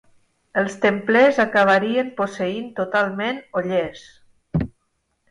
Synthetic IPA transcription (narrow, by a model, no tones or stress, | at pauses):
əlˠst̪emplezakaβ̞aɾiəmposəint̪ot̪alˠmenoʎes